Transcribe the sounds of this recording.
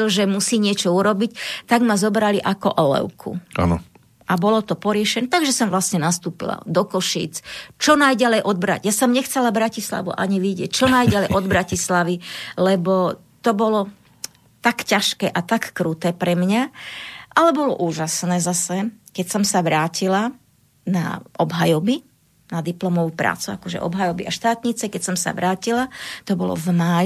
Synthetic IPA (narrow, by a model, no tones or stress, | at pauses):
ɔʒɛmusiːɲɪɛt͡ʃɔuɾɔbict̪aɡmazɔbɾaliʔakɔʔɔlɛ̰ʊkʰṵʔa̰nɔ̰ | ʔabɔlɔt̪ɔpɔɾɪɛʃɛnɛt̪aɡʒɛsɔmʋlastɲɛnast̪uːpḭla̰d̪ɔkɔʃḭːt͡st͡ʃɔnajɟalɛjʔɔd̪̚bɾa̰ɟjasɔmɲɛxt͡sɛlabɾacisla̰ʋṵʔa̰ɲiʋiɟɪɛc̚t͡ʃɔnajɟalɛjʔɔd̪̚bɾacislaʋilɛbɔ | t̪ɔbɔlɔ | t̪akcaʃkɛːʔat̪akːɾuːt̪ɛːpɾɛmɲaʔalɛbɔlɔ̰ʔuːʒasnɛːzasɛkɛcsɔmsaʋɾaːcila | na̰ʔɔbɦajɔbi | nad̪iplɔmɔʋupɾa̰ːt͡sua̰kɔʒɛ̰ʔɔ̰bɦajɔbiaʃt̪aːt̪ɲit͡sɛkɛcsɔmsa̰ʋɾaːcilat̪ɔbɔlɔ̰vmaːj